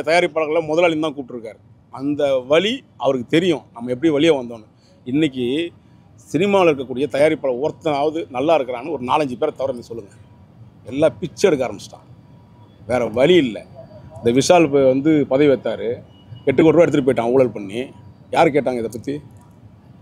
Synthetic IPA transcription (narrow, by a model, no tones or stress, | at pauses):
ɐt̪ɐjaːɾipːaːɭɐɣɐɭlɐmɔðɐlaːɭɪnt̪ãːkuːʈːɯɾɯkːaːɾɯ | ɐnd̪ɐʋɐɭi | ɐ̰ʋɐɾɯkːɯt̪ɛɾɪjʊ̃nɐmːɐɛp̬ːɐɽiʋɐlɪjeːʋɐnd̪oːnʊ̃ | ɪnːɪk̬ʲːi | sɪnɪmaːlɐɪɾɯk̬ːɐkːuːɽɪjɐt̪ɐjaːɾipːaːɭɐɔɾt̪ːɐnaːʋɐðɯnɐlːaːɪɾɯkːɐɾaːnːɯɔɾɯnaːlɐɲd͡ʒɯpeːɾt̪ɐʋɐɾɐmeːsɔlːɯŋɡɐ | ɛlːaːpɪt͡ʃːɛɽɯk̬ːaːɾɐmbɪt͡ʃʈːã̰ː | ʋeːɾɛʋɐɭiɪlːɛ̰ɪnd̪ɐʋɪʂaːlpʋɐnd̪ɯpɐðɐɪʋɛt̪ːaːɾɯ | kɛʈːɯkːɔʈːɾõɛɽɯt̪ːɯʈipoːjɪʈːãːŋɡɐuːɭɐlpɐɳːi | jaːɾɯkeːʈ̬ːaːŋɡɐɪðɐpːɐt̪ːi